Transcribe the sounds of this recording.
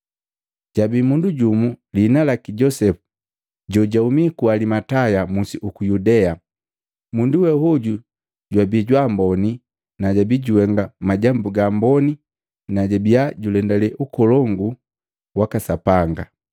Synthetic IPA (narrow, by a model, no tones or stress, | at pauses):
ɟ̥abimunduɟumulinalakiɟɔsɛfu̥ | ɟɔɟaumikualimatajamusiʔukujudɛa | munduwɛhuɟu | ɟwabiɟwambɔni | naɟabiɟuwɛŋɡamaɟambuɡambɔni | naɟabiaɟulɛndalɛʔukɔlɔŋɡu | wakasapaŋɡa